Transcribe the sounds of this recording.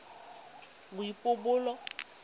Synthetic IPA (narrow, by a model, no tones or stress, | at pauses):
ŋʊipobʊlɔ